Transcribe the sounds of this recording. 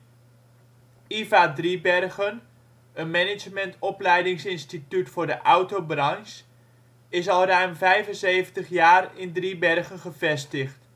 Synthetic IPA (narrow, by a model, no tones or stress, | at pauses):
ivadribɛrɣən | ənmɛnɪd͡ʒmɛntɔplɛjdɪŋsɪnstitytfʊːɹdəʔawtobrɑns | ɪsɑlˠrœɥmvɛjvənsejvəntəχjaːrɪndribɛrχənχəvɛstəχt